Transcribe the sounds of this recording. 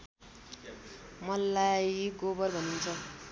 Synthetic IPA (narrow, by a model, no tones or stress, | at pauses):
mʌlːajɡobʌrbʱʌnunt͡sʰʌ